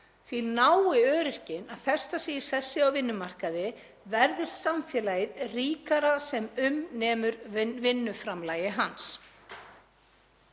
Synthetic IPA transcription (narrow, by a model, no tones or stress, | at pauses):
θvinaːwɪœːɾɪr̥cɪnaðθɛr̥st̪asɛːɪ̥sɛsːɪawvɪnːʏmar̥kaðɪ | vɛɾðɪssamfjɛːlajðriːkaɾasɛmʏmnɛːmʏɾvɪnːʏfɾamlaːjɪɦans